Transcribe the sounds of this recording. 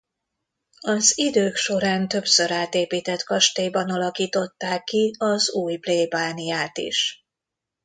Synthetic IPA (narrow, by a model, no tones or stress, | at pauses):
ɒzid̪øːkʃo̞ɾaːnt̪ø̞psø̞ɾaːt̪eːpiːt̪ɛt̪kɒʃt̪eːjbɒnɒlɒkiːt̪o̞t̪ːaːkːiɒzuːjbleːbaːnijaːt̪ḭʃ